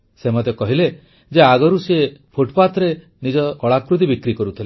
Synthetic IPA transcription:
semɔt̪jɔkɔɦile | d͡ʒeaɡɔɾusepʰoʈpat̪ɾe | nid͡ʒɔkɔɭakɾut̪̬ibikɾikɔɾut̪ʰile

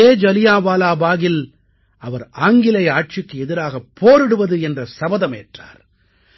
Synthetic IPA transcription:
eːd͡ʒɐlɪjaːʋaːlaːbaːɣɪl | ɐʋɐɾaːŋɡɪlɐɪaːʈ̚t͡ʃɪkːɯɛðɪɾaːɣɐpːoːɾɪɽɯʋɐðɯɛndrɐsɐbɐðɐmḛːʈra̰ːɾ

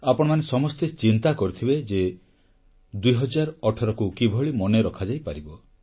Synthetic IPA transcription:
apɔɽ̃ɔmanesɔmɔst̪et͡ʃint̪akɔɾut̪ʰibed͡ʒe | d̪ujɦɔd͡ʒaɾɔɔʈʰɔɾɔkukibʱɔɭimɔneɾɔkʰad͡ʒajpaɾibɔ

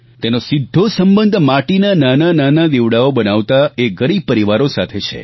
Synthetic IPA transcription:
t̪enosid̪ʱːosəmbənd̪ʱmaʈinananananad̪iʋɽaobənaʋt̪aeɡəɾipəɾiʋaɾosat̪ʰet͡ʃʰḛ

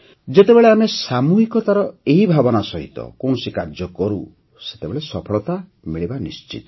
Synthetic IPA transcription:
d͡ʒet̪ebeɭeamesamuɦikɔt̪aɾɔeɦibʱabɔnasɔɦḭt̪ɔ̰koɳ̃ɔsikaɾd͡ʒɔkɔɾu | se̥t̪ebeɭesɔpʰɔɭɔt̪a | miɭibanist͡ʃḭt̪ɔ̥

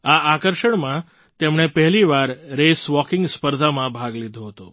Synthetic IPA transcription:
aakəɾʃəɳmã | t̪emɳepəɦliʋaɾːesʋɔkɪ̃ŋɡspəɾd̪ʱamãbʱaɡlid̪ʱoɦət̪o̰

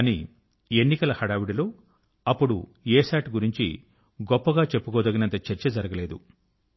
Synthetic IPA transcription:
aːni | enːikɐlɐhɐɽaːʋiɽilo̞ː | ɐpːuɽṵeːsaːʈɡuɾiɲt͡ʃḭ | ɡɔpːɐɡaːt͡ʃe̞pːukoːd̪ɐɡɐnɐnt̪ɐt͡ʃeɾt͡ʃɐd͡ʒɐɾɐɡɐle̞ːd̪ṵ

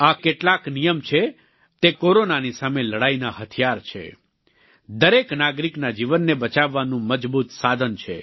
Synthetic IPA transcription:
akeʈlaknijəmt͡ʃʰe | t̪ekoɾonanisameləɽainaɦət̪ʰijaɾt͡ʃʰḛ | d̪əɾeknaɡɾiknad͡ʒiʋənːebət͡ʃaʋːanũməd͡ʒbut̪sad̪ʱənt͡ʃʰḛ

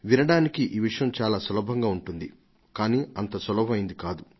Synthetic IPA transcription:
ʋinɐɽaːnikiʔiːʋiʂɐjɐmt͡ʃaːlaːsɔlɐbʱɐŋɡaːuɳʈund̪i | kaːniːɐnt̪ɐsɔlɐbɐmɐjind̪ikaːd̪u

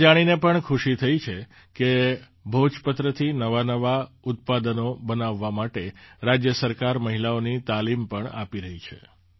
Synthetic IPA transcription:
d͡ʒaɽ̃inepəɳkʰuʃit̪ʰəit͡ʃʰe | ke | bʱod͡ʒpət̪ɾət̪ʰinəʋanəʋa | ʊt̪̚pad̪ənobənaʋːamaʈeɾad͡ʒjəsəɾkaɾməɦilaonit̪alimpəɳapiɾəɦit͡ʃʰḛ

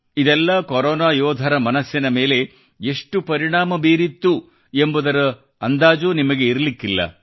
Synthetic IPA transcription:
id̪ɛlːɐkoɾɔːnaːjɔːd̪ʱɐɾɐmɐnɐsjɐnɐme̞ːle̞ | eʂʈupɐɾiɳaːmɐbeːɾit̪ːu | e̞mbud̪ɐɾɐ | ɐnd̪aːd͡ʒuːnimɐɡe̞iɾɐlikːilːɐ̰

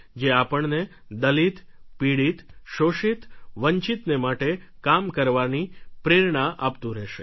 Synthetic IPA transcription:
d͡ʒeapəɳne | d̪əlit̪piɽit̪ʃoʃit̪ʋəɲt͡ʃit̪nemaʈekamkəɾʋanipɾeɾɳaʔapt̪ũɾɛʃe

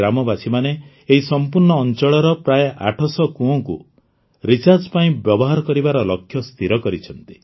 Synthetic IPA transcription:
amɔbasimaneː | ɦisɔmpuɾɳɔːnt͡ʃɔɭɔɾɔpɾajeʔa̰ʈʰɔsɔkuɔ̃kṵ | ɾit͡ʃaɾd͡ʒpaĩbjɔbɔɦaɾɔkɔɾibaɾɔlɔkʰːjɔst̪ʰiɾɔkɔɾit͡ʃʰɔnt̪i̥

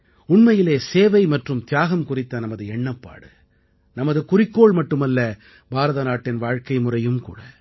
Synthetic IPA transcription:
ʊɳmɐjɪleːseːʋɐɪmɐʈrɯmt̪ɪjaːɣɐmkʊrɪt̪ːɐnɐmɐðɯɛɳːɐpːa̰ːɽɯ | nɐmɐðɯkʊrɪkːoːɭmɐʈːɯmɐlːɐ | bʱaːɾɐðɐnaːʈːɪnʋaːɻkɐɪmʊrɐjɯmkṵːɽɐ

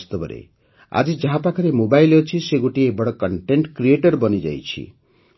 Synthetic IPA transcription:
st̪ɔbɔɾḛ | a̰d͡ʒid͡ʒaɦapakʰɔɾemobajlɔt͡ʃʰiseɡoʈiebɔɽɔkɔɳʈeɳʈkɾieʈɔɾbɔnid͡ʒa̰jt͡ʃʰḭ

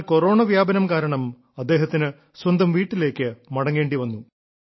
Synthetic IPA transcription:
ko̞ro̞ːɳɐʋjaːbɐnɐmkaːɾɐɳɐm | ɐd̪ːe̞ːɦɐt̪ːinɨ | swɐnd̪ʱɐmʋiːʈːile̞ːkːɨmɐɽɐŋːe̞ːɳɖiʋɐnːu

